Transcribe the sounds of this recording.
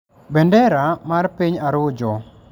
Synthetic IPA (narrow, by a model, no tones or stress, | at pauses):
bɛndɛɾamarpiɲaɾʊd͡ʒɔ